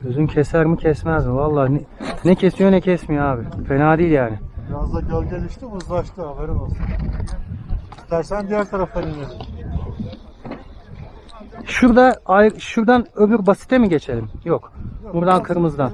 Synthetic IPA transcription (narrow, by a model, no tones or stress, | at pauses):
øzyncʰɛsæɾmicʰɛsmɛzvalˠːaːnɛnɛcʰesijo̞nɛcʰɛsmijoaːbɪfe̞naːd̪iːlʲjaːnɪbɾazd̪ˠaɟølʲɟelʲiʃt̪imuzlˠaʃt̪ɯaveɾinosɯn | ist̪æɾsænd̪ijæɾt̪ʰaɾafajinʲmes | ʃuɾd̪aajʃuɾd̪anøbyɾbasi̥t̪ʰemiɟe̞t͡ʃʰelʲimjokbuɾd̪ankʰɯɾmɯzd̪an